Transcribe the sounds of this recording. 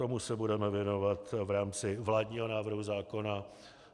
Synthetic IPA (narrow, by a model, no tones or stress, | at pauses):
o̞musɛbudɛmɛvjɛno̞vat̪vɾaːmt͡sɪvlaːdɲiːɦo̞naːvr̩ɦuzaːko̞na